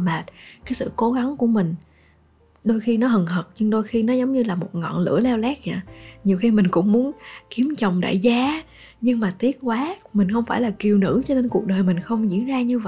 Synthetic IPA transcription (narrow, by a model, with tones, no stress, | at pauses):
maː˨˩t̚kaː˨˦jsɨ̰˧˨ko˨˦ɣa˨˦ŋku˧˩əmï˨˩ŋ̟ | ɗo˧jxi˧nɔ˨˦ɦə˨˩nɦə˨˩t̚ɲɨ˧ŋɗo˧jxi˧nɔ˨˦zə˨˦wŋ͡mɲɨ˧laː˨˩mo˨˩t̚ŋɔ̰˧˨nlɨ̰˧˥əlɛ˧wlɛː˦˥k̚ɲa̰ː˧˨˩ɲi˨˩əwxi˧mï˨˩ŋ̟kʊ̰˧˥ŋ͡mmu˨˦ənki˨˦əmt͡ɕə˨˩wŋ͡mɗa̰ː˧˨jzaː˨˦ | ɲɨ˧ŋmaː˨˩t̪i˦˥ət̚kwaː˨˦mï˨˩ŋ̟xə˧wŋ͡mfaː˧˩jlaː˨˩ki˨˩əwnɨ̰˧˥t͡ɕɔ˧ɗe˧nku˨˩ək̚ɗəː˨˩jmï˨˩ŋ̟xə˧wŋ͡mzḭ˧˥ənzaː˧ɲɨ˧və̰˧˨